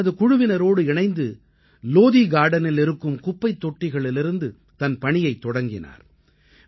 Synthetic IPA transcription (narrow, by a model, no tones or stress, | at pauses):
ɐðɯkʊɻʊʋɪnɐɾoːɽɯɪɳɐɪnd̪ɯ | loːðiɡaːɽɐnɪlɪɾɯkːɯmkʊpːɐɪt̪ːɔʈːɪɣɐɭɪlɪɾɯnd̪ɯ | t̪ɐnpɐɳɪjɐɪt̪ːɔɽɐŋɡɪna̰ːɾ